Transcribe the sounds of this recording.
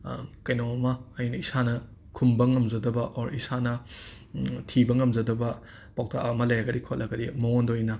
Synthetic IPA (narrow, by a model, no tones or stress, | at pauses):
kɐjnawɐmɐːjnɐisanɐ | kʰumbɐŋɐmzɐdɐbɐʔoɾisanɐ | tʰibɐŋɐmzɐdɐbɐ | paw̚tʰa̰ɐmɐlɐjaɡɐɾikʰot̚lʔɐɡɐdimoondojnɐ